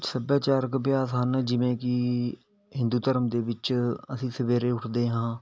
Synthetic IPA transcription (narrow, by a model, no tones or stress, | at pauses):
səbjaːt͡ʃaːɾəkbjaːsɦənd͡ʒɪʋẽːkɪ | ɦɪ̃nd̪uːt̪əɾəmd̪eːʋɪt͡ʃəsĩːsəʋeːɾeːʊʈʰd̪eːɦãː